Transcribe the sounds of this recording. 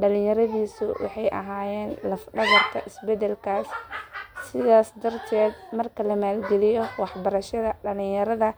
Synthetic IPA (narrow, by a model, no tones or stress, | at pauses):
ɖɐlɪ̃jɐɾɐðiːsʊwɑ̰ħɑjʔɐ̰ɦaːjɛːnlɐfɖɐɣɐrkʰɐ̰ʔɪsbɛd̪ɛlkʰaːsː | ɪðaːsd̪ɐrt̪ʰɛːd̪mɐrkʰɐlɐmaːlɡɛlɪjɔwɑħbɐɾɐʃɐðɐɖɐlɪ̃jɐɾɐðɐ